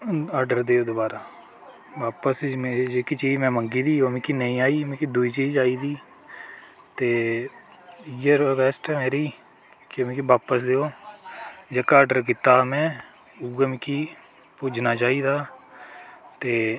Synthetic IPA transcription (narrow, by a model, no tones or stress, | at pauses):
aːɾɖəɾd̪eːoːd̪ʊbaːɾaː | ʋaːpəsmːd͡ʒeːkit͡ʃiːd͡ʒmɛ̃ːməŋɡiːd̪iːomĩkiːnəĩːaːiːmẽːkid̪ʊiːt͡ʃiːd͡ʒaːiːd̪iː | t̪eː | jəɾoːkɛːsʈɛːmeːɾiː | kɪʋẽːkibaːpəsd̪eːoː | d͡ʒekaːəːɖəɾk̬it̪aːmɛ̃ː | uɡəmɪkiː | puːd͡ʒnaːt͡ʃaːiːd̪aː | t̪eː